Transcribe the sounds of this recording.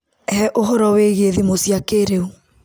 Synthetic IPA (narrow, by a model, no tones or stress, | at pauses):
hɛʔoɦɔɾɔweɣeðimosjakeɾeu